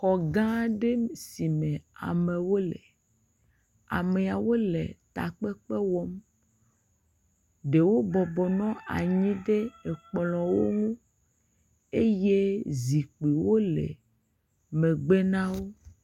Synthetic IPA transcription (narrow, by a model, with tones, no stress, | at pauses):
kɔ˨ɡã˦ɖe˦si˨mẽ˨a̰˨me˨wo˦le˨ | a̰˨me˨a˨wo˦lḛ˨t̪a̰˨k͡pe˦k͡pe˦wɔ˦m | ɖe˨wo˦bɔ˨bɔ˨nɔ̃˦a̰˨ɲĩ˦ɖe˦e˨k͡plɔ̃˨wo̰˦ŋũ˦ | e˦je˦zi˨k͡pi˨wo˦lḛ˨ | mẽ˨ɡ͡be˦nã˦wo˦